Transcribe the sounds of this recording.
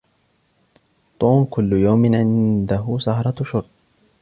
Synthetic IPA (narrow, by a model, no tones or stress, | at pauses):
t̪ˤuːmkʊlːʊjawmɪnʕɪnd̪aɦʊsɑhɾˤɑʃʊɾ